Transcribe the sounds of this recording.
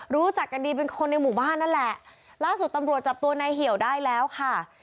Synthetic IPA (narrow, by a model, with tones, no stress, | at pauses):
ɾuː˦˥t͡ɕa˨˩kːa˧ndiː˧pe˧nkʰo˧nːa˧jmuː˨˩baː˥˩nːa˦˥nlɛ˨˩ʔ | laː˥˩su˨˩t̪ːa˧mɾu˨˩ət̪̚t͡ɕa˨˩p̚t̪u˧ɐna˧jɦi˨˩˦əwdaː˥˩jlɛː˦˥wkʰa˥˩